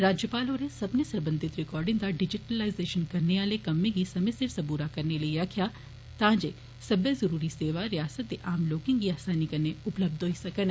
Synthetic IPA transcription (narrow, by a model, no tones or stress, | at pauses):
ɾaːd͡ʒjəpaːloːɾesɐbnesɐɾbə̃nd̪ʱɪt̪ɾɪkɔːɾɖɪ̃ŋd̪aɖɪd͡ʒɪʈəlaːɪzeːʃənkɐɾneaːlekɐmːẽɡisɐmɪsɪɾsɐ̃buːɾakɐɾnelɐiɾakʰja | t̪ãːd͡ʒe | sɐbəzɐɾuːɾiseːʋaɾɪjaːsət̪̚d̪eʔaːmloːkɪ̃ŋɡiaːsaːnikɐɾneʊpləb̚d̪ʱoɦisɐkən